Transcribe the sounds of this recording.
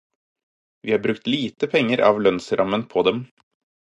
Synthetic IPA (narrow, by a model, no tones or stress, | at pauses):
ʋiːhɑːɾbɾʉkt̪liːt̪əpʰɛŋːəɾɑ̰ːʋlœnsɾʔɑmənpʰɔd̪ɛm